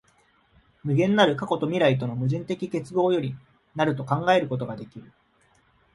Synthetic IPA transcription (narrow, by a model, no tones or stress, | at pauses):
mɯ̟ɡẽ̞nːaɾɯ̟kako̞t̪o̞mʲiɾait̪̬o̞no̞mɯ̟ʑĩnt̪e̞kʲike̞t͡sɨɡo̞ːjo̞ɾʲi | naɾɯ̟t̪o̞kãŋɡae̞ɾɯ̟ko̞t̪̬o̞ɡad̪e̞kʲiɾɯ̟